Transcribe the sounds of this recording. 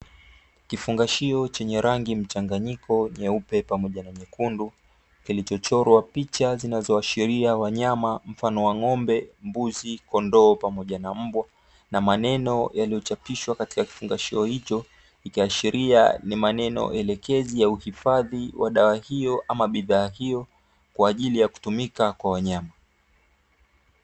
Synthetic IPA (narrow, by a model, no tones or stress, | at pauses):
kifuŋɡaʃiɔt͡ʃɛɲɛɾaŋɡim̩t͡ʃaŋɡaɲikʰɔɲɛupɛpamɔʄanaɲɛkundu | kilit͡ʃɔt͡ʃɔɾwapit͡ʃazinazɔaʃiɾiawaɲamam̩fanɔwaŋɔmbɛmbuzikɔndɔːpamɔʄanam̩bwa | namanɛnɔjalijɔt͡ʃapiʃwakati̥kaki̥fuŋɡaʃiɔhit͡ʃɔ | ikiaʃiɾia̰nimanɛnɔ̰ʔɛlɛkɛzijauhifaðiwaɗawahijɔʔamaɓiðaːɦijɔ | kwaːʄilijaku̥tumikakwawaɲama